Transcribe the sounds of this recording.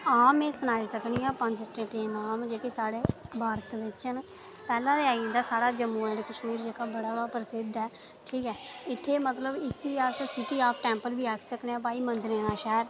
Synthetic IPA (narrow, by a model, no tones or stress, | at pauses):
aːmẽːsənaːiːsəkniːãːpə̃ɲd͡ʒsʈeːʈẽːnaːmd͡ʒeːkesaːɽeːbʱaːɾt̪ʋɪt͡ʃən | pɛːlãːd̪eaːĩːnd̪aːsaːɽaːd͡ʒəmːuːɛ̃ɖkəʃmiːɾd͡ʒeːkaːbəɽaːbaːpəɾəsɪd̪ɛː | ʈʰiːkɛːɪt̪ʰːeːmət̪ləbɪsiːaːsõːsɪʈiːaːp̚ʰʈɛ̃ːmpəlbiːaːkʰsəkneãːp̬aːiːmənd̪ɾẽːnãːʃɛːɾ